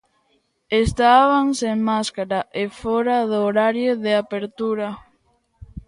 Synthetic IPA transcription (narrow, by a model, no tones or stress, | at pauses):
est̪aβaŋseŋmaskaɾaʔefɔɾaðoɾaɾjoðeapeɾt̪uɾa